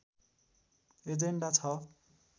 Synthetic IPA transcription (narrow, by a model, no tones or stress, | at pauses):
ed͡zeɳɖat͡sʰʌ